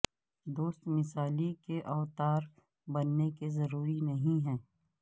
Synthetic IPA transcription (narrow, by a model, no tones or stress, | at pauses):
d̪oːst̪mɪsaːlikeʔɔːt̪aːɾ | bɐnːekezɐɾuːɾinɐɦĩɦɛ̃ː